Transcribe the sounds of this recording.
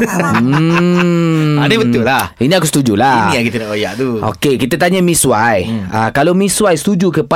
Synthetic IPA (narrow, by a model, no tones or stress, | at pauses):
adebət̪ʊlahinĩakusət̪ud͡ʒulaniakit̪ənaʔoja̰ʔt̪uʔo̰kekit̪ət̪aɲamĩsuwajəkalomĩswajst̪ud͡ʒukəpa